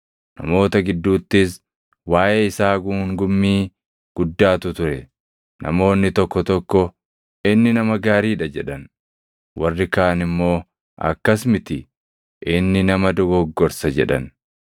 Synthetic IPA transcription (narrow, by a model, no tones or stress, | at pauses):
nɐ̰mo̞ːt̪ɐɡɪd̪ːuːt̪ːɪs | waːjeːɪsaːɡuŋɡʊmːiː | ɡ̥ʊd̪ːaːt̪ʊt̪ʊɾɛ | nʔɐ̰mo̞ːnːɪt̪ɔkːɔt̪ɔkːɔ | ɪnːɪnɐmɐɡaːɾiːᶑɐd͡ʒɛᶑɐn | wɐrːɪkaːnɪmːo̞ː | ʔɐ̰kːɐsmɪt̪ɪ | ʔɪnːɪnɐmɐd̪ɔɡɔɡːɔɾsɐd͡ʒɛ̰ᶑɐ̰n